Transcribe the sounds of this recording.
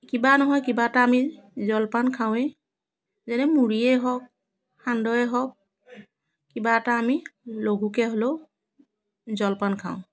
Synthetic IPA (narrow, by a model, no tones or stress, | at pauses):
kibanɔɦɔjkibataːmizɔlpankʰaw̃ɛ | zɛnɛmuɹiɛɦɔk̚ | handɔɛɦɔk̚ | kːibataːmiloɡukɛɦolo | zɔlpankʰaʊ̃